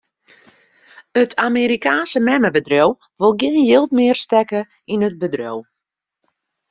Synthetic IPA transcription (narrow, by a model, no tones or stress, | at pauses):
ətʰameɾikaːnsəmɛməbədrow | ʋolˠɡjɪənjɪlˠtmɪərstɛkə | inət̚bədrow